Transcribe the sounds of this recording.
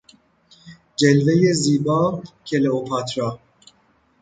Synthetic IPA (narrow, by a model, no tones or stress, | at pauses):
d͡ʒelve̞je̞ziːbɒːcʰeleopʰɑːt̪ʰɾɒː